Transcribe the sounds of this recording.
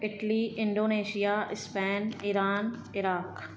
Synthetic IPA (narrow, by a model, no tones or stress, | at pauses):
ɪʈliːʔɪ̃ɳɖoːneːʃijaːɪspɛːnɪɾaːn | ɪɾaːk